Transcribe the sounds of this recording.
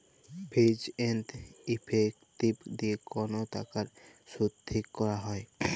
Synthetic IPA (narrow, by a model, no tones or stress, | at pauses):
bʰʱid͡ʑent̪ipʰekt̪ibd̪iekɔnot̪a̰kaɾʃud̪ʱːikːɔɾaɦɔe